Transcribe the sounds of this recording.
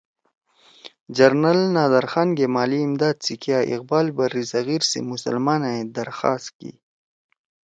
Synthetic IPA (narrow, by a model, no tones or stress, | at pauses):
d͡ʒɐɾnɐlnaːd̪ɐɾxanɡemaːliːmd̪aːd̪̚sikʰijaːʔḭq̚baːlbɐɾizɐɣiːɾsḛmʊsə̰lmaːnaed̪ɐɾxaːst̪kḭ